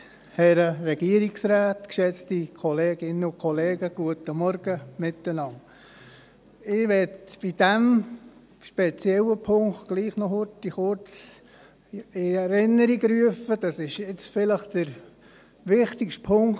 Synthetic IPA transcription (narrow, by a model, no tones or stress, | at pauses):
hɛɾəɾɛɡ̥iəɾiksɾaːtkʃɛt͡stikʰɔleːɡ̥ɪnəʊkʰɔleːɡəɡ̥uətəmɔɾɡ̥əmɪt̪ənɑŋ | ɪʋɛtb̥id̥ɛm | ʃpɛt͡sjɛləpʰʊŋktɡ̥liːχnɔɦʊɾtiχʊɾt͡s | ɪɛɾɪnːəɾiɡɾyəfəd̥ɑsɪʃɪt͡sfɪləχd̥əɾ | ʋɪχtikʃtpʰʊŋ